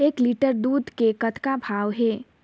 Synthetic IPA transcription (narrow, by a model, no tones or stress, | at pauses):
eːkliːʈəɾd̪uːd̪ʱkekɐt̪ʰkabʱaːʋɦɛː